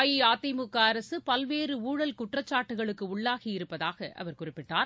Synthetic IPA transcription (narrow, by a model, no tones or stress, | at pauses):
jiaːt̪ːɪmɯkːaːɐɾɐsɯpɐlʋeːrɯuːɽɐlkʊʈrɐt͡ʃːaːʈːɯɣɐɭɯkːɯʊɭːaːɣijɪɾɯpːɐðaːɣɐʔɐ̰ʋɐɾkʊrɪpːɪʈːaːɾ